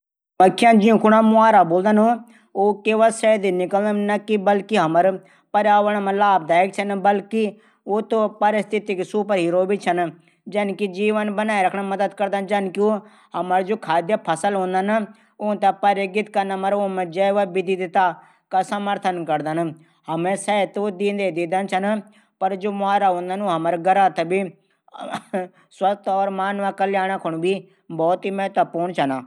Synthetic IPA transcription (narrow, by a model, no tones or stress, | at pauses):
məkʰːɪjãːd͡ʒɪũkʰːɽaːmʊ̃aːɾaːboːld̪ənɦõ | oːkeːʋasɛd̪iːnɪkəld̪ənəkibəlkiɦəməɾ | pəɾaːʋəɳmɛ̃laːb̚d̪aːek̚t͡ʃʰənbəlki | oːt̪õːpəɾɪst̪ʰɪt̪iksuːpəɾɦiːɾoːbit͡ʃʰən | d͡ʒənkid͡ʒiːʋənbənaːiɾəkʰɳaməd̪əd̪kəɾd̪and͡ʒənkioː | ɦəməɾd͡ʒoːkʰaːd̪jaːpʰəsəlɦõːnd̪ən | ʊt̪apəɾeːɡɪt̪kəɾnaːməɾoːmɛ̃ːd͡ʒaːʋabɪd̪iːd̪ɪt̪aː | kasəməɾt̪ʰənkəɾd̪ən | həmɛ̃ːsɛːt̪oːd̪ĩːnd̪eːd̪ɪd̪ənt͡ʃʰən | pəɾd͡ʒoːmʊaːɾaːõːnd̪anoːɦəməɾɡəɾaːt̪əbiː | swəst̪ɔːɾmaːnʋaːkəljaːɽ̃aːkʰʊɳ̃biː | bɔːt̪iːmɛ̃ːt̪apoːɳt͡ʃʰənaː